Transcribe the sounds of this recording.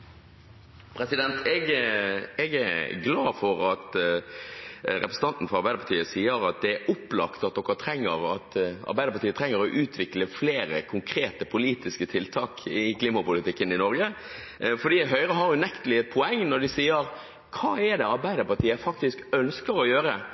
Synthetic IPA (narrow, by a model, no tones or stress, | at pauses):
pʰɾɛsɪd̪ɛnt̪ʰɛɡ | ɛɡæɾɡlɑːfɔɾɑt̪ | ɾɛpɾəs̩t̪ɑnt̪n̩fɔɾɑɾbæɪd̪əpɑt̪iːəsiːəɾɑt̪̚d̪ɛæʊpːlɑ̰kt̪ɑt̪̚d̪ɔkːət̪ʰɾɛŋːəɾɑt̪ɑ̰ɾbæɪəpʰɑɾt̪iːət̪ʰɾɛŋːəɾɔʔʉːt̪ʰʋɪkləfleːɾəkʰʊŋkʰɾeːt̪əpʰʊliːt̪ɪskət̪ʰɪlt̪ʰɑːkɪkʰliːmɑpʊlɪt̪ɪkːənɪnɔɾɡə | fɔɖiːɦœʏɾəɦɑɾjʊnɛkt̪əlɪɛt̪̚pʰɔɛŋːnɔd̪ɪsiːəɾ | kʰɑːɛd̪ɛɑɾbæɪd̪əpɑt̪ʰiːəfɑk̚t̪ɪskœnskəɾɔjøːɾə